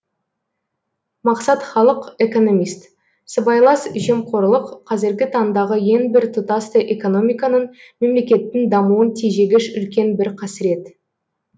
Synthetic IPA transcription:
mɑqsɑt̪χɑlˠəqe̞ko̞no̞mist̪ | səbɑjlˠɑsʒe̞mqʰo̞ɾlˠəqʰːɑzɪɾɡʲɪt̪ʰɑnd̪ɑʁəje̞nbɪɾt̪ʰʊt̪ɑst̪əʔeko̞no̞mʲijkɑnəɴ | me̞mle̞kʲe̞t̪ːɪŋd̪ɑmuwənt̪ʰeʒe̞ɡʲɪʃʏlkʲe̞nbɪɾqʰɑsɪɾe̞t̪

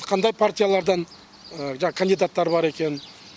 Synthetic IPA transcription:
qʰɑnd̪ɑjpʰart̪ʲijalˠɑɾd̪ɑn | əʒɑɴɑkʰɐnd̪ijd̪at̪ːɑɾbɑɾe̞kʲe̞n

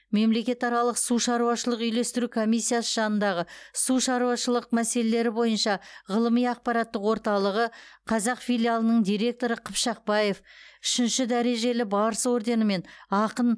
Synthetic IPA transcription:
me̞mle̞kʲe̞t̪ɑɾɑlˠəqsuʃɑɾuɑʃəlˠəqʏjle̞st̪ɪɾukʰo̞mijsːijasəʒɑnənd̪ɑʁəsuʃɑɾuɑʃəlˠəq̚mæse̞le̞le̞ɾɪbo̞jənʃɑʁəlˠəmijɑq̚pɑɾɑt̪ːəqwo̞ɾt̪ɑlˠəʁəqʰɑzɑqfijlijalˠənəɴd̪ijɾʲe̞k̚t̪o̞ɾəqʰəpʃɑq̚bɑjefʏʃɪnʃɪd̪æɾe̞ʒe̞lɪbɑɾəso̞ɾd̪e̞nəme̞nɑqən

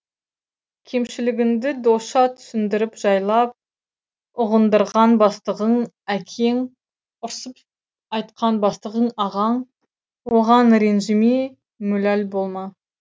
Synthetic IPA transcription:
kʲʰe̞mʃɪlɪɡʲɪnd̪ɪd̪oʃɑt̪ʰʏ̥sɪnd̪ɪɾɪpʒ̥ɑjlˠɑp̚ | ʊʁənd̪əɾʁɑnbɑst̪əʁəɴ | ækʲʰe̞ŋ | ʊɾsəp | ɑjt̪qʰɑnbɑst̪əʁəɴɑʁɑɴ | woʁɑnɾe̞nʒɪme | mɵlælbo̞lˠmɑ

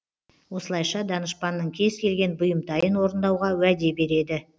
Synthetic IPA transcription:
wo̞səlˠɑjʃɑd̪ɑnəʃpɑnːəɴkʲʰe̞zkʲʰe̞lɡʲe̞nbʊjəmd̪ɑjənwo̞ɾənd̪ɑwʁɑwæd̪e̞be̞ɾe̞d̪ɪ

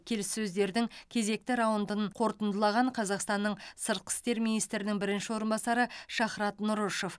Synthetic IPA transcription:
kʲʰe̞lɪsːɵzd̪e̞ɾd̪ɪŋkʲʰe̞ze̞k̚t̪ɪɾɑwənd̪əɴqʰo̞ɾt̪ənd̪əlˠɑʁɑɴqʰɑzɑqst̪ɑnːəɴsəɾt̪̚qʰə̥st̪e̞ɾminijst̪ɾɪnɪŋbɪɾɪnʃɪwo̞ɾənbɑsɑɾəʃɑχɾɑt̪nʊɾoʃof

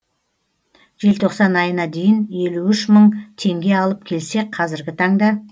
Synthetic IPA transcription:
ʒ̥e̞lt̪ʰo̞qsɑnɑjənɑd̪e̞jɪnje̞luʏʃməɴt̪ʰe̞ŋɡʲe̞ɑlˠəp̚kʲʰe̞lse̞qʰɑzɪɾɡʲɪt̪ʰɑɴd̪ɑ

